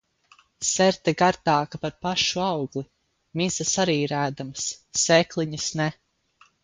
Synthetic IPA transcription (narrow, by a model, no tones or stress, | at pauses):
sɛɾt̪ɛɡaɾt̪aːkapaɾpaʃuawɡli | miz̥asaɾiːɾæːd̪amsːɛklˠiɲisnɛ